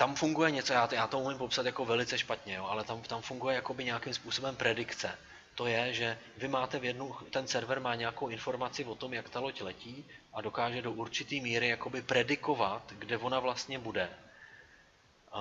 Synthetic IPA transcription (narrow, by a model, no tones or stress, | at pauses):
t̪amfuŋɡujɛɲɛt͡sojaːjaːt̪oumɪmpo̞psat̪jako̞vɛlɪt͡sɛʃpat̪ɲɛjoːʔalɛt̪amt̪amfuŋɡujɛjako̞bɪɲɛjakɪmspuːso̞bɛmpɾɛdɪkt͡sɛ | t̪o̞jɛʒɛ | vɪmaːt̪ɛvjɛdnut̪ɛnsɛɾvɛɾmaːɲɛjako̞wʔɪnfo̞ɾmat͡sɪvo̞t̪o̞mjakt̪alo̞clɛciːʔado̞kaːʒɛdo̞ʔuɾt͡ʃɪt̪iːmiːɾɪjako̞bɪpɾɛdɪko̞vat̪ɡdɛvo̞navlast̪ɲɛbudɛ